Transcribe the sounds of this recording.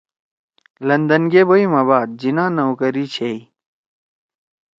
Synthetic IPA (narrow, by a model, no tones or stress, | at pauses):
lɐnd̪ɐnɡeːboimaβaːd̪̚d͡ʑinãːnɐukɐɾiːt͡ɕʰei